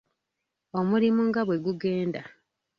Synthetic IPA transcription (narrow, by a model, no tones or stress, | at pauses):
o̞muɾimuŋɡaβwe̞ɡuɡe̞ːnda̰